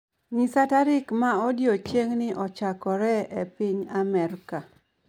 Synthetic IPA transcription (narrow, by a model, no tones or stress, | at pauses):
ɲisataɾɪkmaɔdjot͡ʃeŋnɪʔɔt͡ʃakɔɾɛepiɲamɛrka